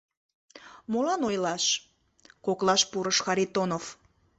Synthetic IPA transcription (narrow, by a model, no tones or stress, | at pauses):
molɑnojlɑʃ | koklɑʃpuɾəʃxɑɾit̪onov